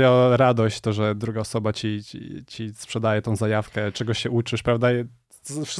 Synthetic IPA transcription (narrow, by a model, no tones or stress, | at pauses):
aɾad̪ɔɕt͡ɕt̪ɔʐɛd̪ɾuɡaɔsɔbat͡ɕit͡ɕispʂɛd̪ajɛt̪ɔ̃w̃zajafkɛt͡ʂɛɡɔɕːɛʔut͡ʂɘʃpɾavd̪a | fʂ